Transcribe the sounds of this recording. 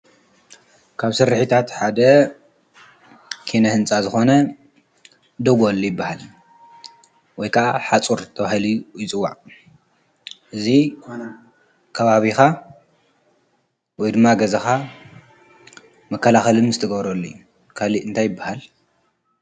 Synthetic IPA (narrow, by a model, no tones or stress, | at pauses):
kʰaβsɨɾːɨħit̪ʰat̪ħad̪ɐ | kʰinɐhɨnt͡sʼazɨxo̞nɐ | d̪oɡolːojɪbːahal | wɔjkʰaʔaħat͡sʼuɾt̪ʰɐβahilujɪt͡sʼɨwːa̰ʕ | ʔɨzi | kʰɐβaβixa | wɔjd̪ɨmːaɡɐzɐxa | mɐkʰːɐlaxɐlɨmzɨt̪ʰɐɡɐβɾolːij | kʰaliʔɨnt̪ʰajːɪbːahal